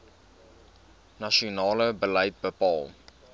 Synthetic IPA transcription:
naʃionɑːləbələjt̚bəpɑːlˠ

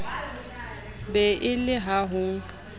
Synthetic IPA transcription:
bɛʔɪlɪɦaɦʊ

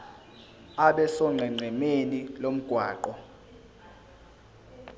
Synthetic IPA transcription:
aɓɛsɔŋ͡ǀʱɛŋ͡ǀʱɛmenilom̩ɡ̥ʱwaːǃɔ

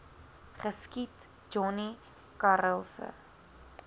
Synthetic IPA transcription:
χəskit | d͡ʒɔni | kaɾəlˠsə̰

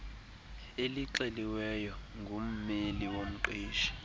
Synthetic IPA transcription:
eliǃɛliwɛjɔŋɡʱum̩meliwom̩ǃiːʃi̥

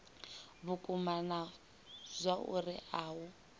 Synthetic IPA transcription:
βukʼumana | zʷaʔṵriʔaːwʊ

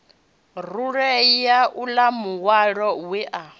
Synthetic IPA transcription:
ruɺɛjaʔulamuwaɺɔwɛʔa

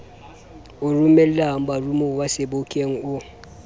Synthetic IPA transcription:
ʊrumɛllaŋ̩barumowasɪbokʼeŋ̩ʊ

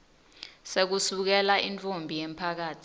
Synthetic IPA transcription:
sek̬usuk̬ɛlaʔint͡fʼombʱijem̩pʰak̬aːtʰi̥

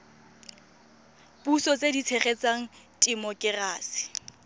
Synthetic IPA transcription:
busɔt͡sʼedit͡sʰeχet͡saŋ̩ | tʼimɔkʼɪraːsɪ̥

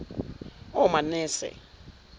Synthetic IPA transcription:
ɔmanɛːsɛ̰

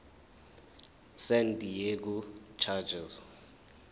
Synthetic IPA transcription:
sɛntʼijek̬ut͡ʃʰad͡ʒɛz

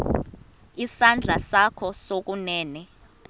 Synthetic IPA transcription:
isand͡ɮʱasakʰɔsok̬unɛːnɛ

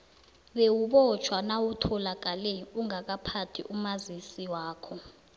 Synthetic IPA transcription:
ɓewuɓɔt͡ʃʰwanawutʰɔlak̬ʼalɛuŋak̬apʰatʰḭʔumazisiwaːkʰɔ

